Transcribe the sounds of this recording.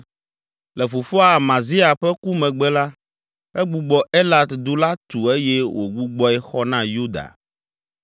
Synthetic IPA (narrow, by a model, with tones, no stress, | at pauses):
le˨fo˨fɔ˦a˨mã˨zi˦a˨ɸɛ˦ku˦mɛ̃˨ɡ͡bɛ˦la˦ | ɛ˦ɡ͡bu˨ɡ͡bɔ˦e˦la˦d̪d̪u˦la˦t̪u˨e˦jɛ˦wʔo̰˨ɡ͡bu˦ɡ͡bɔ˦ɛ˦xɔ˦nã˦ju˦d̪a̰˨